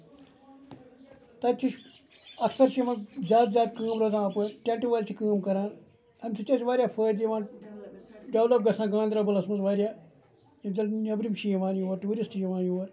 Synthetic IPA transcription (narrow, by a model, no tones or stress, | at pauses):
t̪ɐt͡ʃiʃ | ɐksɐɾʃimɐ̃zʲaːt̪zʲjaːt̪kɨːmɾozãːpəɾʈʲeɳʈiʋaːlʲt͡ʃʰikɨːmkɐɾãːn | ɐnʲsʰɨt͡ʃɐt͡ʃʋaːɾʲjaːpʰəːd̪iʋaːn | ɖɐwlɐp̚ɡɐsãːɡãːnd̪ɾɐbɨlɐsmɐzʋaːɾʲjaː | jɐbʲd͡ʒɐlnɐbɾimʃijʋaːnjuʋɐɾʈuːɾisʈjiʋaːnjuʋɐɾ